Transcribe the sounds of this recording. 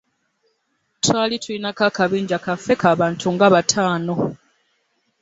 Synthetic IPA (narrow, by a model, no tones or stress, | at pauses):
twaːlitʰulinakakaβiːɲɟakafːe̞kaːβaːntʰuŋɡaβatʰaːno̞